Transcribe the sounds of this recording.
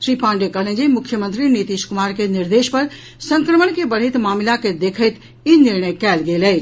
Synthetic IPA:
ʃɾiːpãːɳɖekələ̃nd͡ʒimʊkʰːjəmə̃nt̪ɾinit̪iʃkʊmaːɾkeniɾd̪eːʃpəɾ | sə̃ŋkɾəməɳkebəɽ̤əɪt̪maːmlaked̪eːkʰəɪt̪ | iniɾɳ̃əjkɛːlɡeːlɛːt͡ʃ

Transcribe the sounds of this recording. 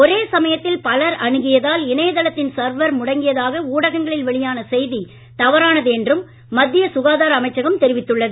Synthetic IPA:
ɔɾeːsɐmɐjɐt̪ːɪlpɐlɐɾɐɳɯɣɪjɐðaːlɪnɐjɐðɐlɐt̪ːɪnsɐɾʋɐɾmʊɽɐŋɡɪjɐðaːɣɐuːɽɐɣɐŋɡɐɭɪlʋɛɭɪjaːnɐsɛjði | t̪ɐʋɐɾaːnɐðɯɛndrɯmː | ɐd̪ːɪjɐsʊɣaːðaːɾɐɐmɐɪt͡ʃːɐɣɐmt̪ɛɾɪʋɪt̪ːɯɭːɐðɯ

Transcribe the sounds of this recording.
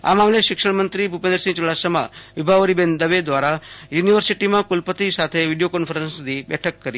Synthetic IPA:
a̰mamleʃɪkʂəɽmənt̪ɾibʱupẽnd̪ɾəsĩŋt͡ʃuɭasəmã̰ʋibʱaʋəɾibend̪əʋed̪ʋaɾajuniʋəɾsiʈimãkulpət̪isat̪ʰeʋiɽijokɔnfʰəɾənsd̪ʱibɛ̰ʈʰəkːəɾi

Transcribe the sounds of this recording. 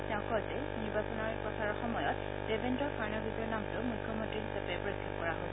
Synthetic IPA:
tɛʊ̃kɔɹtɛ | niɹbasɔnɔɹpɔsʰaɹɔxɔmɔjɔt | debʱendɔɹpaɹnɔɡɹiɡɔɹnamtʊmukʰːjɔmɔ̃ntɹiɦisapɛpɔɹokʰːit̚kɔɹaɦo

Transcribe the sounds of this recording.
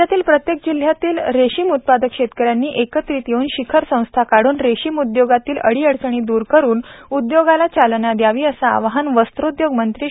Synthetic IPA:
at̪iːlpɾət̪jekd͡ʑil̤jat̪iːlɾeɕimut̪̚pad̪əkɕet̪kəɾjanːiːʔekət̪ɾiːt̪jeuːnɕikʰəɾsə̃w̃st̪ʰakaɽ̤uːnɾeɕimud̪joɡat̪iːlə̰ɽiːəɽt͡səɽ̃iːd̪uːɾkəɾuːnud̪joɡalat͡ɕalnad̪jaʋiːəsa̰ʋɦanʋəst̪ɾod̪joɡmənt̪ɾiː

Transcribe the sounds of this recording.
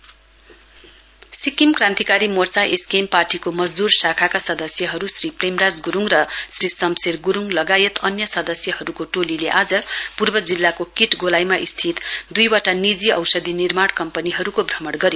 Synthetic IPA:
sikimkrãnt̪ikaɾimort͡saʔeskemparʈikomʌd͡zd̪ursakʰakasʌd̪ʌsjʌɦʌɾusripremrad͡zɡuɾuŋrʌsrisʌmserɡuɾuŋlʌɡajet̪ʌnjʌsʌd̪ʌsjʌɦʌɾukoʈolileʔad͡zʌpurbʌd͡zilːakokiʈɡolajmaʔist̪ʰit̪d̪ujwaʈanid͡ziʌ̰wsʌd̪ʱinirmaɽkʌmpʌniɦʌɾukobʱrʌmʌɽɡʌɾjo

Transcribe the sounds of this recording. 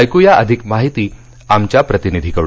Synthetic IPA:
jkujaʔəd̪ʱikmaɦit̪iː | amt͡ɕjapɾət̪inid̪ʱikəɽu

